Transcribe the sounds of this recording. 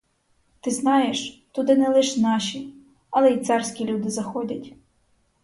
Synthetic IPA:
t̪ɪznɑjeʃt̪ʊd̪ɪnɛlˠɪʃnɑʃʲi | ɐlˠɛit̪sɑrsʲkʲilʲud̪ɪzɐxɔdʲɐtʲ

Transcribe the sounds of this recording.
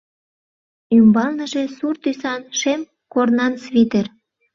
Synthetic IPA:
ymbɑlnəʒesurt̪ysɑnʃem | kornɑnsβit̪er

